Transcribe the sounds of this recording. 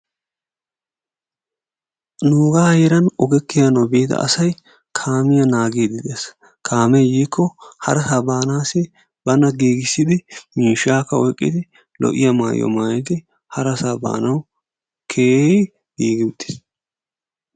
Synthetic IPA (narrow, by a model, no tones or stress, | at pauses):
nuːɡaːjɛɾɐnɔɡɛkːɪjanobeːt̪ɐ̰ɐ̰sɐj | kʰaːmɪjɐnaːɡeːd̪ɪd̪ɪes | kʰaːmɛjjiːkʰːɔhɐ̰ɾɐsaːbaːnaːsɪ | bɐnɐɡiːɡɪsːɪd̪ɪmiːʃaːkːɐɔjkʼːɪ̰d̪ɪ | lɔ̰ʔɪjɐma̰ːjɔ̰maːjɪd̪ɪ | hɐɾɐsaːba̰ːnɐw | kʰeːj | ɡiːɡɪʊt̪ːɪ̥s